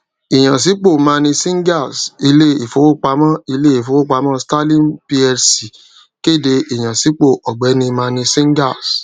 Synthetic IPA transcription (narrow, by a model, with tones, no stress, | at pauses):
i˨j̃ã˨s̬i˨˦k͡po˦˨mãː˧˦˧nĩ˧sĩ˦ŋ˦ɡa˦˨si˧le˦i˨fo˨wo˦k͡pa˧mã˦i˧le˦i˦˨fo˨˧wo˦k͡pa˧mã˦sta˦lĩ˦˨npi˧ɛ˧ɾsi˨ | ke˦˨de˧i˨j̃ã˨si˨˦k͡po˦˨ʔɔ˨ɡ͡bɛ˨˦nĩ˧mãː˧˦˧nĩ˧sĩ˦ŋɡa˦˨s